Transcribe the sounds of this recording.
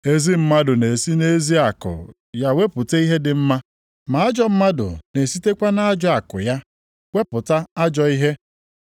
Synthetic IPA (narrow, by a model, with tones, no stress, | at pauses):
e˦zi˦m̩˦ma˦dʊ˨ne˨si˦ne˦zi˦a˨kʊ̰˨ | ja˦we˦pʊ˨te˦i˦ɦe˦dɪ˨m̩˦ma˦ | ma˨a˦d͡ʒɔ˦m̩˦ma˦dʊ̰˨ne˨si˦te˦kʷa˦na˦a˦d͡ʒɔ˦a˨kʊ̰˨ja˦ | we˦pʊ˨ta˦a˦d͡ʒɔ˦i˦ɦe˦